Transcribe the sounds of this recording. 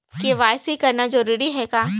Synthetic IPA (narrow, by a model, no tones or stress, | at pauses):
keʋaːjsikɐɾnad͡ʒɐɾuːɾiɦɛkaː